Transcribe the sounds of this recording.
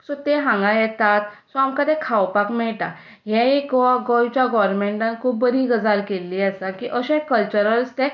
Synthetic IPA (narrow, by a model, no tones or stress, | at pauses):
sɔ̃t̪eɦãŋɡãjɛt̪at̪sɔamkad̪ɛ̃kʰawpakmɛɭʈa̰ | jɛ̃ikɡɔjt͡ɕjaɡɔɾmeɳʈãnkʰuːbːəɾʱiɡəd͡zaɾkelːiasakiʔəɕẽkəlt͡ɕəɾəlst̪e